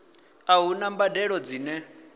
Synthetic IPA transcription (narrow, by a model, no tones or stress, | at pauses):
aɦunambadɛɺɔd͡ziːnɛ